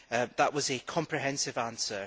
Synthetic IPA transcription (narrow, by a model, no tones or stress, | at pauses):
əðəʔwɒzɨkʰɒ̃mpʰɹ̥ɪɦɛ̃nsɪvãnsə